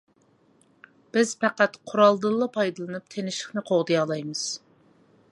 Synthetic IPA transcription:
b̥ɪz̥pɛqæt̪qʰʊɾɑlˠd̪ɨlˠːɑpʰɑjd̪ɨlˠɨnɨp̚t̪ʰenɪʃɪ̥χnɨqʰoʁd̪ɨjɑlˠɑjmɨz̥

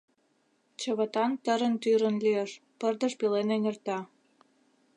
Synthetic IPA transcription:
t͡ɕə̆βə̆t̪ɑnt̪əɾənt̪yɾə̆nlieʃpərd̪əʃpilenenert̪ɑ

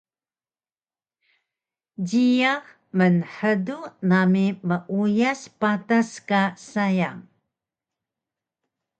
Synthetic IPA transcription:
ɟijax | mənħədunamiməʔujaspataskasajaŋ

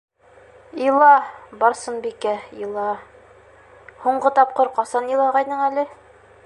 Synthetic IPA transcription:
ilˠɑbɒɾsɤnbikæilˠɑ | huɴɢɤt̪ɒp̚qɤɾqɒsɑnɤ̆lˠɑʁɑjnɤɴælɘ

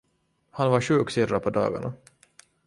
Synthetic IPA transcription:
hanvaʂʉ̟ːksɪɾːapʰɔd̪ɑ̰ːɡa̰ɳa

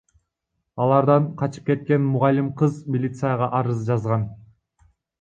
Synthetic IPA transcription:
ɑlˠɑɾd̪ɑɴqʰɑt͡ʃɯ̥p̚ke̞t̪̚ke̞nmʊʁɑlʲːimqʰɯzmʲilʲit̪sɨjəʁɑʔɑɾɯzd͡ʒɑzʁɑn

